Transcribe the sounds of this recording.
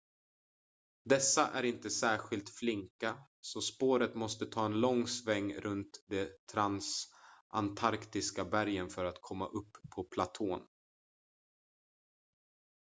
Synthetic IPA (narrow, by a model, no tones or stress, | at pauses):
d̪ɛsːaʔæɾɪnt̪əsæːɾɧɪlt̪flɪŋka | sɔspoːɾət̪mɔst̪ət̪ʰɑːɛnlɔŋsvɛŋːɾʔɵnt̪d̪ɛt̪ʰɾansʔa̰nt̪ʰaɾkt̪ɪskabæɾjənfœɾat̪kʰɔmːa̰ʔɵpʰːɔpʰlat̪ʰoːn